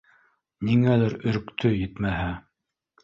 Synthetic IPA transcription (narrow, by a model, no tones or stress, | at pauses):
niŋælæɾɵ̆ɾkt̪ʰɵjɘt̪mæɦæ